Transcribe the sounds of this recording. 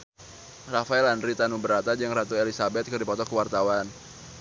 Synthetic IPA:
rafaɛlandɾit̪anubəɾat̪ad͡ʒɨŋrat̪uelisabɛt̪̚kɨrdipɔt̪ɔkəwart̪awan

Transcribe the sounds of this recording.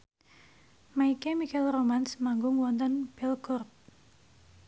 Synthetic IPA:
maikemikɛlromansmaŋɡʊŋwɔnt̪ɔnb̥ɛlɡɔrp̚

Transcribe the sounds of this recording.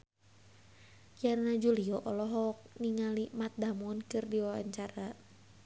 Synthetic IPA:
jarnad͡ʒuliɔʔɔlɔɦɔk̚niŋalimat̪̚damunkɨrdiwawa̰ɲt͡ʃaɾa

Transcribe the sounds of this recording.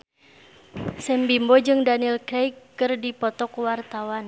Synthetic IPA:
sɛmbimbɔd͡ʒɨŋdanilkɾɛjkː | ɨrdipɔt̪ɔkwart̪awan

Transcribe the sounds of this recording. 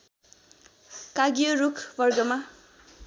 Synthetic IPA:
kaɡijʌɾukʰbʌrɡʌma

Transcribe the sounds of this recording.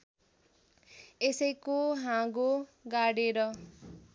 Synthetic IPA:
esʌjkoɦãɡoɡaɽeɾʌ

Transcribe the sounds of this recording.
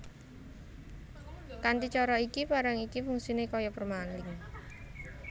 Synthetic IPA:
kant̪it͡ʃɔɾɔikipaɾaŋikifuŋsinekɔjɔpərmanlɪŋ

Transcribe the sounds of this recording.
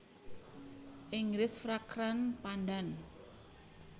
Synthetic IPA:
ʔɪŋɡɾɪsfɾakɾanpandan

